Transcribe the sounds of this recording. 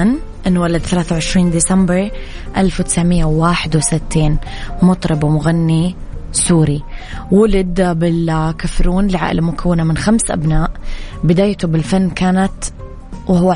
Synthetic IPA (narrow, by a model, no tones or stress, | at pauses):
n | ʔɪnːwalad̪θalaːθawʕɪʃɾiːnd̪iːsambɾ | ʔalfwt̪ɪ̥sʕmɪjːawwaːħɪd̪wɪsɪt̪ʰːiːn | mʊt̪ˤɾɪbwmʊɣanːi | suːɾiwʊlɪd̪bɪlkafɾuːnlɪʕa̰ʔlamʊkʰawːɪnamɪnxamsʔa̰bnaːʔbɪd̪aːjt̪ubɪlfanːkaːnat̪ | wɪhʊwːa